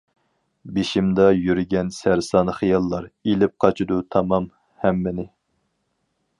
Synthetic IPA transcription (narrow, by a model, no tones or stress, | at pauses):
beʃimd̪ɑjyɾɡʲɛnsæɾsɑːnχijɑlˠːɑɾelɪp̚qʰɑt͡ʃʰid̪ut̪ʰɑmɑm | hæmːɪnɪ